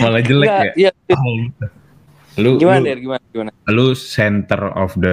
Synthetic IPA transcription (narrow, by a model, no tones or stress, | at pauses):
malad͡ʒəlɛk̚ɡaalɡit̪u | luɡimauaaɡimanɡimanalusɛnt̪ərɔ̰fdə